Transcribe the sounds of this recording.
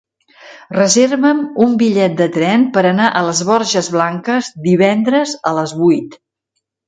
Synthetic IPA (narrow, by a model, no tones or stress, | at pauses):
rəzerβəmumbiʎɛt̪̚d̪ət̪ɾɛmpəɾənaʔələzβɔɾʒəzβlaŋkəzd̪iβ̞ɛnd̪ɾəzələzβujt̪